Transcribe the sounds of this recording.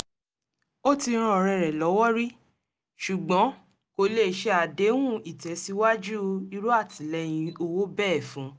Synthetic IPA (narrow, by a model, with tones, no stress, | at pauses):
o˦ti˧ɾ̃ã˧˨ɾɛ˨ɾɛ˨lɔ˨˦wɔ˦ɾi˦ | ʃu˨ɡ͡bɔ̃˨˦ | ko˧le˦˨ʃe˧˦a˨de˨˦w̃ũ˦i˨tɛ˨˦si˦wa˦d͡ʒu˦i˧ɾu˦a˦˨tĩ˨˦lɛ˧j̃ĩ˧o˧wo˦bɛ˦˨fũ˨˦